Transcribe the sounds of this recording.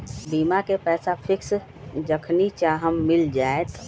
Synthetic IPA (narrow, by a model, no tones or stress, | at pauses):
biːmakepɛːsapʰɪks | d͡ʒəkʰnit͡ʃaɦəmːɪld͡ʒaːet̪